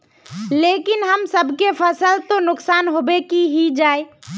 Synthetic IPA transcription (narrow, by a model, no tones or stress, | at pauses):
lekinɦəmsəbʱkepʰəsəlt̪onʊksanɦobekiɦid͡ʒae